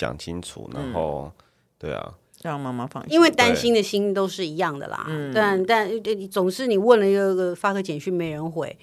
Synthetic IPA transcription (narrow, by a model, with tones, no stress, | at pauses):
jɑ̰˨˩ŋt͡ɕʰi˥nt͡sʰṵ˨˩na̰˧˦nxo˥˧ʊ | t̪we˥˩ɪɐ̰˨˩ | ɑ˥˩ma˥ma˥˦fɑ̰˥˧ŋi˦nwe˥˩ɪt̪a˥nɕi˥nd̪ə˨ɕi˥nt̪o˥ʊʂɻ̩˥˩i˧˥jɑ˥˩ŋd̪ə̰˩lɐ̰˨˩t̪a˥˧nt̪a˥˧n˥˩˨t͡sʊ˨˩ŋʂɻ̩˥˩ni˨˩wə˥˩nlə˩i˧˥ɡəə˧˥ɡə˨˩fa˥kʰɤ˧˥t͡ɕjɛ˨˩nɕy˥˩me˧˥ɪɻə˧˦nxwe˨˩˦ɪ